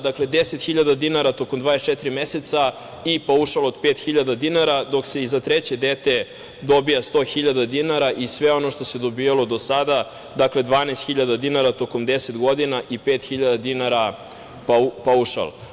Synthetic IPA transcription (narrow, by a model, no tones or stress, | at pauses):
d̪akle̞d̪eset̪xiʎad̪ad̪inaɾat̪o̞komd̪vaːest͡ʃet̪ɾimjeset̪sa | ipauʃalod̪peːt̪xiʎad̪ad̪inaɾad̪o̞kse̞izat̪ɾet͡ɕed̪et̪e̞ | d̪o̞bijast̪o̞ːxiʎad̪ad̪inaɾaʔisʋe̞o̞noʃt̪ose̞d̪o̞biːjalo̞d̪o̞sad̪a | d̪akle̞d̪ʋaːnast̪xiʎad̪ad̪inaɾat̪o̞ko̞md̪eset̪ɡo̞d̪inaʔipeːt̪xiʎad̪ad̪inaɾa | papauʃa̰l